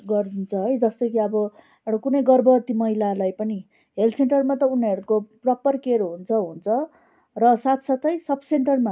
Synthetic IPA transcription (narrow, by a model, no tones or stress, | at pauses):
ɡʌrd̪int͡sʰʌɦʌjd͡zʌst̪ʌjkiʌbʌ | eɽakunʌjɡʌrbʱʌt̪imʌɦilalajpʌni | ɦelseɳʈʌrmat̪ʌuneɾukoprʌpʌrkeɾoɦunt͡sʰʌɦunt͡sʰʌ | rʌsat̪ʰsat̪ʌjsʌbʰseɳʈʌrma